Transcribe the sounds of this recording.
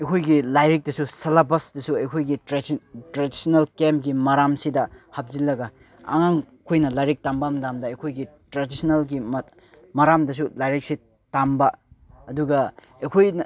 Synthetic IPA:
ɐjkʰojɡilajɾik̚dɐsusɐlabɐsdɐsuɐjkʰojɡitɾtɾadisɐnɐlkemɡimɐɾamsidɐhap̚zilːɐɡɐ | ɐ̰ŋaŋ | kʰojnɐlajɾik̚tambamdamdɐɐjkʰojɡitɾadisnɐlɡim | mɐɾamdɐs̬ulajɾik̚si | tambɐɐduɡɐ | ɐjkʰojn

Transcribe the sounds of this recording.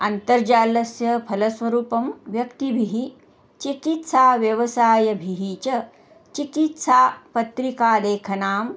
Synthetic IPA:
ɐnt̪ɐɾd͡ʒaːlɐsjɐpʰɐlɐsʋɐɾuːpɐmʋjɐkt̪ibʱiɦi | t͡ʃikit̪saːʋjɐʋɐsaːjɐbʱiɦiːt͡ʃɐ | t͡ʃikit̪saːpɐt̪ɾikaːleːkʰɐnaːm

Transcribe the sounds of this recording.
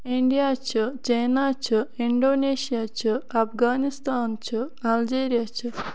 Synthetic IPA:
iɳɖijaːt͡ʃʰɨt͡ʃɐjnaːt͡ʃʰɨiɳɖoːneːsijaːt͡ʃʰɨɐpʰɡaːnist̪aːnt͡ʃɨ | ɐld͡ʒeːɾijat͡ʃʰɨ

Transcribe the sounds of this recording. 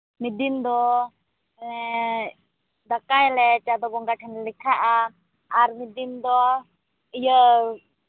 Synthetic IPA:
mid̪imd̪ɔ | d̪akajlɛt͡ʃad̪ɔbɔŋɡaʈʰɛnɛlikʰaʔaː | ɾmid̪imd̪ɔ | ijə

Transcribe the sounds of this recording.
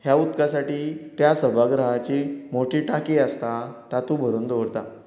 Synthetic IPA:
hjaut̪kasaʈiːt̪jasəbʱaɡɾəɦat͡ɕiːmoʈʰiːʈakiːəst̪at̪at̪ubʱəɾuːnd̪oʋɾt̪a

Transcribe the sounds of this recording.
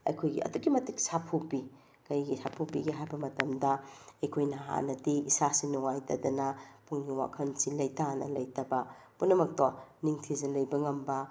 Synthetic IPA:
ɐ̰jkʰojɡḭɐ̰duɡimɐtiksapʰupi | kɐjɡisapʰupiɡiɦajbɐmɐtɐmdɐɐjkʰojnɐɦa̰nɐdiisasinuŋajtɐdɐnɐpuŋniwa̰kʰɐnsilɐjtanɐ̰lɐjtɐbɐpunːɐmɐk̚toniŋtʰizɐlɐjbɐŋɐmbɐ

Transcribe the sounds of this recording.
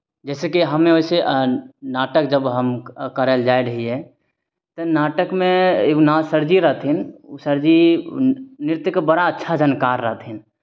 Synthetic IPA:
d͡ʒɛːsekiɦəmːẽoiseʔnaːʈək̚d͡ʒəbɦəmkəɾəld͡ʒaiɾəɦiɛ | t̪ənaːʈəkmẽnasəɾd͡ʒiɾəɦt̪ʰɦinsəɾd͡ʒi | nɪɾt̪jəkebəɽaətːʃʰad͡ʒənkaɾːəɦt̪ʰɦin

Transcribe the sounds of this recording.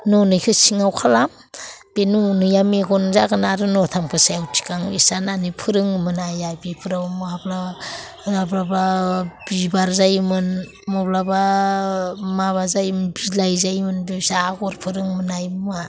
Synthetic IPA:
nonɯjkʰɯsiŋawkʰalam | b̥enunɯjameɡɔnzaɡɯnaɾɯnɔtʰampʰɯsajawtʰi̥kaŋisananipʰɯɾɯŋmɯnajajbipʰɯɾawmabla | ɾabɾababibaɾzajmɯn | mɔblaba | maβazajbilajzajmɯnbibsaːɡɔɾpʰɯɾɯŋmɯnajma

